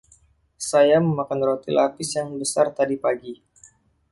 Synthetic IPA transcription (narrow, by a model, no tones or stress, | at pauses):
sajaməmakanrot̪ilapɪsjaŋbəsart̪adipaɡi